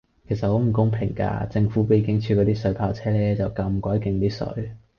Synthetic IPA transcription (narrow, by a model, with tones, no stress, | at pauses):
kʰe˨˩sɐ˨t̚ho˨˥wm̩˨˩kʊ˥ŋpʰɪ˨˩ŋka̰ː˧t͡sɪ˧ŋfuː˨˥pe˨˧˩kɪ˥ŋt͡ʃʰyː˧kɔː˨˧t̪iː˥sɵ˨˥ɥpʰaː˧˩wt͡sʰɛː˥lɛː˥t͡sɐ˨wkɐ˧mkɔː˨˥jkɪ˧ŋt̪iː˥sɵ̰˨˧˥ɥ